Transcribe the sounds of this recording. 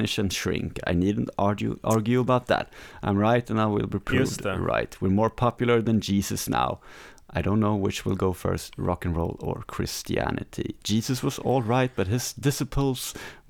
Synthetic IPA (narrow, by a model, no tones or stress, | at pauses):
ɨʃɨ̃nʃɹɪ̰̃ŋka̰ɪnidⁿn̩tɑɹɡjṵʔɑɹɡjʉəbaʊt̪̚ðə̰tʔã̰ɪ̃mɹaɪɾɨ̃naɪwḭlˠbipʰɹ̥uvdɹa̰ɪt̚ʰwɨɹmɔɹpʰɑpjl̩ˠə˞ðɨ̃nd͡ʒizɨ̰sna̰ʊ | ʔaɪɾõʊ̃nːoʊwɪt͡ʃwɪlˠɡoʊfɜ̰˞st̚ɹɑ̰kɨ̃n̩ɹoʊlˠə̰˞kʰɹ̥ɪ̰stḭæ̰nɨ̰ɾʰḭ̥d͡ʒizɨswʌzɔlˠɹaɪt̚b̥ʌt̚ɦɪz̥dɪsɨpʰl̩ˠz̥